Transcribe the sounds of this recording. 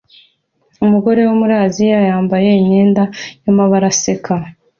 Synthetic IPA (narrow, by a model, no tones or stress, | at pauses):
umuɡo̞ɾe̞womuɾaːzijajaːmbaje̞iɲe̞ːndajamaβaɾasekʰa